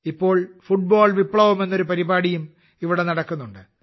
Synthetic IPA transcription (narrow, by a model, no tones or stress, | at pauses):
ipːo̞ːɭfuʈ̚boːɭʋipːɭɐʋume̞nːo̞ɾupɐɾibaːɽijum | iʋiɽe̞nɐɽɐkːunːuɳɖɨ